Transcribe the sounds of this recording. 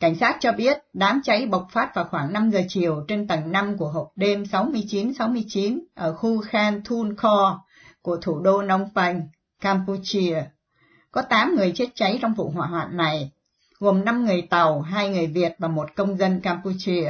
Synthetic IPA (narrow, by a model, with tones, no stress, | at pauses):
ka˧˩jŋ̟saː˦˥t̚t͡ɕɔ˧ɓi˦˥ət̚ɗaː˨˦mt͡ɕa˨˦jɓə˨˩wk͡p̚faː˦˥t̚vaː˨˩xwaː˧˩ŋna˧mzəː˨˩t͡ɕi˨˩əwt͡ɕe˧nt̪ə˨˩ŋna˧mku˧˩əɦo˨˩p̚ɗe˧msa˨˦wmɨ˧əjt͡ɕi˨˦nsa˨˦wmɨ˧əjt͡ɕi˨˦nʔəː˧˩xu˧xaː˧nt̪ʰu˧nxɔ˧ | ku˧˩ət̪ʰu˧˩ɗo˧na˨˦wŋ͡mfa˧jŋ̟ | kaː˧mpu˧t͡ɕi˧ə | kɔ˨˦t̪aː˨˦mŋɨ˨˩əjt͡ɕe˦˥t̚t͡ɕa˨˦jt͡ɕɔ˧wŋ͡mvṵ˧˨ɦwa̰ː˧˨ɦwa̰ː˧˨nːa˨˩j | ɣo˨˩mna˧mŋɨ˨˩əjt̪a˨˩wɦaː˧jŋɨ˨˩əjvi˨˩ət̚vaː˨˩mo˨˩t̚kə˧wŋ͡mzə˧nkaː˧mpu˧t͡ɕi˧ə